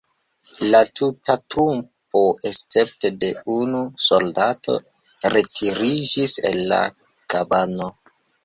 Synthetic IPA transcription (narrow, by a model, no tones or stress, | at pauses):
latʰutatɾump | o̞ʔest͡se̞p̚te̞de̞unuso̞ldatʰo̞̰ | ɾe̞tʰiɾid͡ʒisḛlːa̰ | kabano